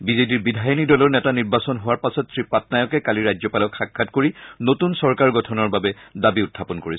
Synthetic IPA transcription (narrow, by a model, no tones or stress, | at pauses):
bizetiɹbidʱajɔnidɔlɔɹnɛtaniɹbasɔnɦʊwaɹpasɔtsɹipatnajɔkɛkaliɹajzɔpalɔkxakʰːatkoɹinotunsɔɹkaɹɡɔtʰɔnɔɹbabɛdabiʊtʰːapɔnkoɹis